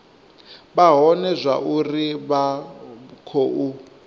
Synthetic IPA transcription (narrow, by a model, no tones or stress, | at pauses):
βaɦɔnɛzʷa̰ʔuriβa | kʰoʔu